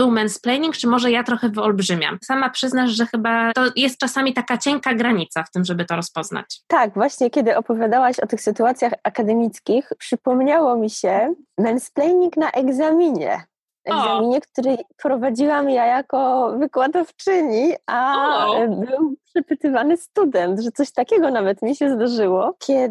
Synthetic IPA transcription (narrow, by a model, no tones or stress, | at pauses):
bɘwmɛnsplɛjɲiŋkt͡ʂɘmɔʐɛjat̪ɾɔxɛvɔlbʐɘmʲja̰msamapʂɘznaʂʐɛxɘbat̪ɔjɛst̪̚t͡ʂasamʲit̪akat͡ɕɛŋkaɡɾaɲit̪saft̪ɘmʐɛbɘt̪ɔɾɔspɔzna̰t͡ɕt̪aɡvwaɕɲɛkʲɛd̪ɘʔɔpɔvʲjad̪awaɕɔt̪ɘxsɘt̪uat̪sʲjaxakad̪ɛmʲit̪skʲixpʂɘpɔmɲawɔmʲiɕɛmɛnsplɛjɲʲiknaʔɛɡzamʲiɲɛ̰ | ʔɛɡzamʲiɲɛkt̪uɾɛjpɾɔvad͡ʑiwamjajakɔvɘkwad̪ɔft͡ʂɘɲiʔa | bɘwpʂɛpɘt̪ɘvanɘst̪ud̪ɛnt̪ʐɛt̪sɔɕt̪akʲɛɡɔnavɛt̪mʲiɕɛzd̪aʐɘwɔkʲʰɛ